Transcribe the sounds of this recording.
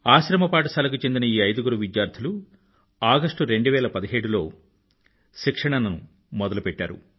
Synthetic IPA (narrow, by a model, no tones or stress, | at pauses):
aːʃɾɐmɐpaːʈ̬ɐsɐːlɐk̬ut͡ʃe̞nd̪inɐiːɐjd̪uɡuɾuʋidjaːɾt̪ʰilu | aːɡɐsʂʈuɾe̞ɳɖuʋɛːlɐpɐd̪iɦeːɽulo̞ː | ʃikʂɐɳɐnɐnu | mɔd̪ɐlupɛʈːa̰ːɾṵ